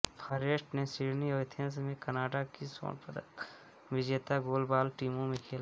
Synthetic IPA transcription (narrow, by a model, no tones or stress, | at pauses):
pʰaɾeːʃʈnesɪːɽniɔːɪt̪ʰə̃ns̬mẽkɐnaːʈakiso̰ːnpəd̪ə̰k | ʋɪd͡ʒeːt̪aɡoːlbaːlʈiːmõmẽkʰeːla